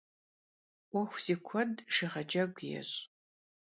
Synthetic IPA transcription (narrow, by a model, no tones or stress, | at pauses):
wʷɔxʷz̥ikʷʰɔdʂiʁɐd͡ʒɐɡʷjɛ̰ɕʼ